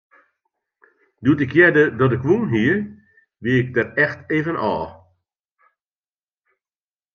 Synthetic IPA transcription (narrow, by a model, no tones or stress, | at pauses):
duətɪkjɛdədɔt̬ɪkʋunɦiə | ʋiəɪk̚dɛtɛxteːvənʔɔː